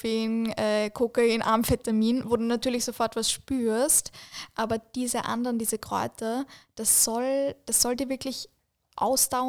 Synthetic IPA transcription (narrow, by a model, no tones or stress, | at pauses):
fenʔɛːkʰoːkəɪnʔa̰ɐmfɛtamiːnvoːduːnatyːɐlɪçz̥ofɔɐtvasʃpyːɐstʔaːbɐd̥iːzəʔa̰ndəʁəndiːzəkʁ̥ɔ̰ʏtɐd̥asz̥ɔld̥asz̥ɔldiːɐvɪɐklɪç | ʔa̰ʊsd̥aʊə